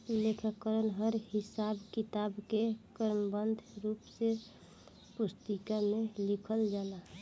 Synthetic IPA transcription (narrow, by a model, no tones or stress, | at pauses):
lekʰəkəɾənɦəɾhisabkit̪abkekəɾməbənd̪ʱɾupse | pust̪ikamelikʰəld͡ʒala